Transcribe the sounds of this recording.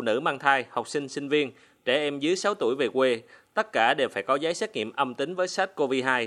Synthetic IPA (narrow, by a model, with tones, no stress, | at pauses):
nɨ̰˧˩maː˧ŋt̪ʰaː˧jha˨˩wk͡p̚sï˧ŋ̟sï˧ŋ̟vi˧ən | t͡ɕɛ˧˩ʔɛ˧mzɨ˨˦əjsa˨˦wt̪u˧˩əjve˨˩kwe˧t̪ə˦˥t̚kaː˧˩ɗe˨˩wfaː˧˩jkɔ˨˦zaː˨˦jsɛː˦˥k̚ŋḭ˧˨əmʔə˧mt̪ï˨˦ŋ̟vəː˨˦jsa˦˥t̚ko˧vi˧ɦaː˧j